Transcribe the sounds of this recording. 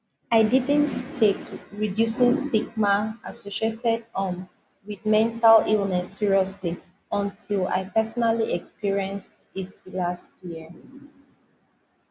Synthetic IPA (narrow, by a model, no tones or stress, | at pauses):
aɪdidə̃nttʰekɹidjusĩŋstiɡmaasoʃietʰɛdə̃n | wiðmɛ̃ntʰalilˠnɛsːiɹiɔsli | ə̃ntʰila̰ɪpɛsɔnaliʔɛkspiɹiɛ̃nstitlastʰjiə